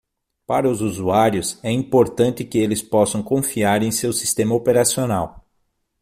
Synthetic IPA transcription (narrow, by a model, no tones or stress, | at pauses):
paɾɐʊzuzuaɾjʊsɛĩpoɾt̪ɐ̃nt̪ɪkɪelɪspɔsɐ̃w̃kõfiaɾẽj̃sewsi̥st̪ẽmɐopeɾasionaw